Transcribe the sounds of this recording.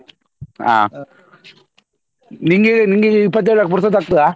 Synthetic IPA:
a̰ː | niŋɡɐniːŋɡɐɪpːɐt̪̬ːeːɭakːɯp̬ʊɾɯsɐt̪ɐkt̪ːɯaː

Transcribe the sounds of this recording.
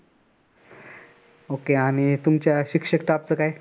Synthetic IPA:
okeaɽ̃it̪umt͡ɕjaɕikʂəkʈaaːp̚t͡səkaj

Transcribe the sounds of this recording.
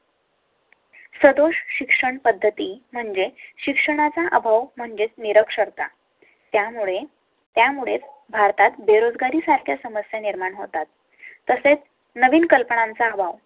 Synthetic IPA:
səd̪oɕɕikʂəɳpəd̪ʱːət̪im̤əɳd͡zeɕikʂəɳ̃at͡saʔəbʱaʋm̤əɳd͡zet͡sniɾəkʂəɾt̪a | t̪jamuɭe | t̪jamuɭet͡s | bʱaɾt̪at̪beɾod͡zɡaɾiːsaɾkʰjasəməsjeniɾmaɳɦot̪at̪ː | əset͡s | nəʋiːnkəlpəɳãnt͡saːbʱaʋ

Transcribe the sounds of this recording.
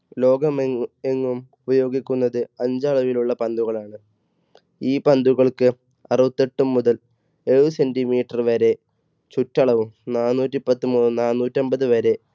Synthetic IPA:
lo̞ːɡɐmeŋːumubɐjo̞ːɡikʲːunːɐðɨɐɲd͡ʑɐɭɐʋiluɭːɐpɐnd̪uɣɐɭaːɳɨ | iːpɐnd̪uɣɐɭkɨ | ɐruʋɐt̪ːeʈːumːuðɐl | eɻusendimiːʈːɐrʋɐɾe̞ | t͡ɕutːɐɭɐʋumnaːnːuːtːipɐt̪ːumuːnːunaːnːuːtːɐmbɐðɨʋɐɾe̞

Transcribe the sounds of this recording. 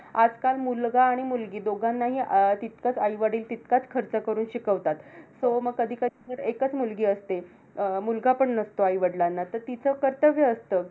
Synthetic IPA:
ad͡zkalmulɡaːɽ̃imulɡiːd̪oɡʱanːaɦiːt̪it̪kat͡sajʋəɽiːlt̪it̪kat͡skʰəɾt͡səkəɾuːnɕikəʋt̪at̪soməɡ̚kəd̪ʱiːkəd̪ʱid͡zəɾekət͡smulɡiːəst̪e | mulɡapəɳnəst̪oajʋəɽlanːat̪əɾt̪it͡səːkəɾt̪əʋjəːst̪əː

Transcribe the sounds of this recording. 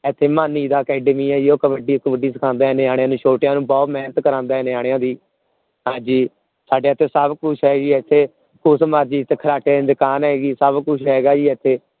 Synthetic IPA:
ɛːt̪ʰːeːmaːnːiːd̪aːkɛːɖmiːɛːd͡ʒiːoːkəʋəɖiːkːʋəɖiːsəkʰãːnd̪aːɛneːaːɽ̃ejãːnũːʃʰoːʈjãːnũːbɔːt̪mɛːnət̪kəɾãːnd̪aːɛneːaːɽ̃ejãːd̪iː | ɦãːd͡ʒiː | saːɖeːət̪ʰːeːsəbkʊʃʰɦɛːɡiːɛt̪ʰːeː | kʊsmaːd͡ʒiːt̪ʰːeːkʰəɾaːʈeːed̪əkaːnɦɛːɡiːsəbkʊt͡ʃʰɦɛːɡaːd͡ʒiːɛt̪ʰːeː

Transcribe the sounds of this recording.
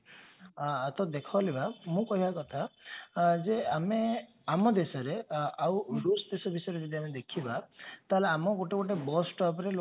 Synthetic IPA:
t̪ɔd̪ekʰɔɔlibamũkɔɦibakɔt̪ʰa | d͡ʒeame | amɔd̪esɔɾeawɾusd̪esɔbʱisɔjɾed͡ʒid̪iamed̪ekʰibat̪aɦeleamɔɡoʈekoʈ̬ebɔsʈɔpɾelo

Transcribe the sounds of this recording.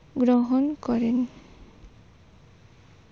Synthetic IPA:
ɡɾɔɦɔnkɔɾen

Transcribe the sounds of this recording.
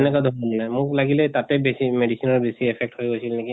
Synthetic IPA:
ɛnɛkadʱɔmɔnnajmʊklaɡilɛtatɛbesimedisinɔɹbesiɛpʰɛk̚thojɡojsilneki

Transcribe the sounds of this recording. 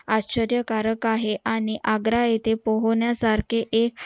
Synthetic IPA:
atɕəɾjəkaɾəkaɦeʔaɽ̃iʔaɡɾaet̪epəɦoɳjasaɾkʰeʔek̚

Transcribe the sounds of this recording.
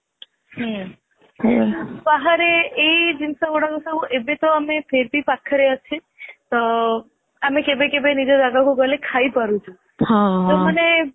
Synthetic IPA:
ɦə | baɦaɾeːd͡ʒinsəboɽaɡusəɦuʔebet̪oamepʰeɾbipakʰːəɾeət͡ʃʰe | t̪ɔ | amekebekebenid͡ʒod̪aɡakoɡəlekʰaipəɾũt͡ʃʰũ | hat̪oməne

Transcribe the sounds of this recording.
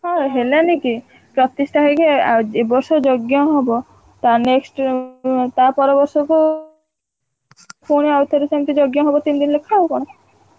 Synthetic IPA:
ɦɔ̃ɦelaniki | pɾɔt̪isʈʰaɦekeebɔɾsɔd͡ʒɔɡjɔɦɔbɔ | t̪aneksʈ | t̪apɔɾɔbɔɾsɔku | puɽ̃iawt̪ʰɔɾesamt̪id͡ʒoɡjɔɦɔbɔt̪ind̪inlekʰːawukɔɽ̃ɔ

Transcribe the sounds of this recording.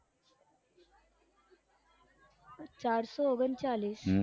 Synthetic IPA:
t͡saɾsɔoɡənt͡saliːs

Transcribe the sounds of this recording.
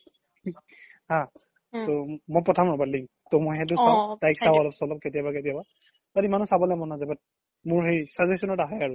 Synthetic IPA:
hã | tomɔjpɔtʰamɹɔbatliŋ | tomɔjɦɛt̬ʊsatajksawɔlɔpsɔlɔp̚ketijabaketijaba | batimanɔsabɔlɛmɔnazabat̚ | mʊɹɦejsazesɔnɔtaɦɔjaɹʊ

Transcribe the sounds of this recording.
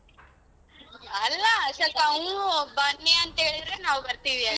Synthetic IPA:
ɐlːasɐkaũbɐnːeɐnt̪eːɭiɾenaːʋbɐɾt̪iːʋia

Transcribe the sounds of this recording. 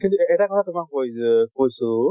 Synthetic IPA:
kintuɛtakɔtʰatʊmakːojkojsʊ

